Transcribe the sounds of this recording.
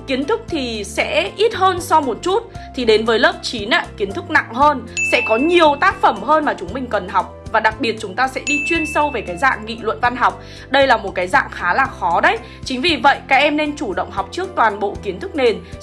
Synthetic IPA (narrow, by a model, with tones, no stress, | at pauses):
ki˨˦ənt̪ʰɨ˦˥k̚t̪ʰi˨˩sɛ̰˧˥ʔi˦˥t̚həː˧nsɔ˧wmo˨˩t̚t͡ɕu˦˥t̚t̪ʰi˨˩ɗe˨˦nvəː˨˦jləː˦˥p̚t͡ɕi˨˦nʔa̰ː˧ki˨˦ənt̪ʰɨ˦˥k̚na̰˧˨ŋɦəː˧nsɛ̰˧˥kɔ˨˦ɲi˨˩əwt̪aː˦˥k̚fə˧˩mɦəː˧nmaː˨˩t͡ɕʊ˨˦ŋ͡mmï˨˩ŋ̟kə˨˩nɦa˨˩wk͡p̚vaː˨˩ɗa˨˩k̚ɓi˨˩ət̚t͡ɕʊ˨˦ŋ͡mt̪aː˧sɛ̰˧˥ɗi˧t͡ɕwi˧ənsə˧wve˨˩kaː˨˦jza̰ː˧˨ŋŋḭ˧˨lwə̰˧˨nva˧nɦa˨˩wk͡p̚ | ɗə˧jlaː˨˩mo˨˩t̚kaː˨˦jza̰ː˧˨ŋxaː˨˦laː˨˩xɔ˨˦ɗə˨˦j | t͡ɕŋ̟vi˨˩və̰˧˨jkaː˨˦˥k̚ʔɛ˧mne˧nt͡ɕu˧˩ɗə̰˧˨wŋ͡mɦa˨˩wk͡p̚t͡ɕɨ˦˥ək̚t̪waː˨˩nɓo̰˧˨ki˨˦ənt̪ʰɨ˦˥k̚ne˧˩n